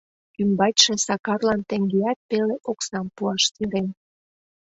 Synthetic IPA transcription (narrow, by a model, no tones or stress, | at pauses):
kymbɑt̪ʲʃĕsɑkɑrlɑnt̪ĕŋɡeɑt̪̚peleʔoksɑmpuɑʃsyɾen